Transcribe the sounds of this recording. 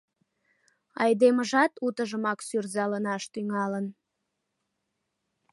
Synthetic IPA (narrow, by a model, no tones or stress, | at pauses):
ɑjd̪eməʒɑt̪ut̪əʒəmɑksyrzɑlənɑʃt̪yŋɑlən